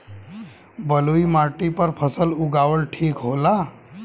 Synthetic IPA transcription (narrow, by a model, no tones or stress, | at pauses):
bəluimaʈipəɾpʰəsəluɡaʋəlʈʰiːkɦola